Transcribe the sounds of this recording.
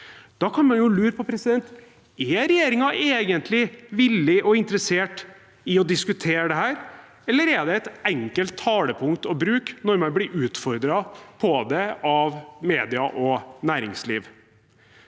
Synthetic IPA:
d̪̥ɑkʰɑnmɑnjʊlʉːɾəpʰɔpʰɾɛsɪd̪ɛnt̪ | ɛɾɛjeːɾɪŋɑʔeːɡənt̪ʰlɪʋɪlːɪʔɔɪnt̪əɾəseːʈ | ɪɔd̪ɪskʉt̪ʰeːɾəɖ̪ɛɦæːɾ | ɛlːəɾɛɖ̪ɛæɛt̪ɛŋkəlt̪ʰːɑːləpʰʊŋt̪ɔbɾʉːknɔɾmɛnblɪɾʉːt̪fɔɾd̪ɾɑpʰɔd̪ɛɑʋmeːd̪ɪɑʔɔnæːɾɪ̰ŋslḭːʋ

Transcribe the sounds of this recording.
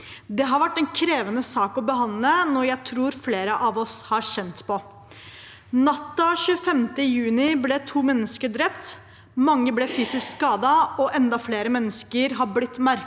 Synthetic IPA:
d̪ɛɦɑɾʋæʈːɛnkʰɾeːʋənəsɑːkɔbəɦɑnd̪lənɔɾjæɪt̪ʰɾuːɾfleːɾəʔɑʋɔshɑɕɛnt̪pʰɔ | nɑt̪ːɑɕʉːəfɛmt̪əjʉːnɪblɛt̪ʰuːmɛnːəskəɖɾɛpt̪ | mɑŋːəblɛfyːsɪskskɑːd̪ɑɔʔɛnd̪ɑfleːɾəmɛnːəskəɾɦɑɾblɪt̪ːmæɾ

